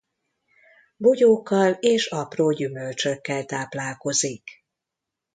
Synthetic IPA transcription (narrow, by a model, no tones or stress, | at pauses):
boɟoːkːɒleːʃɒproːɟymølt͡ʃøkːɛlt̪aːplaːlko̞zik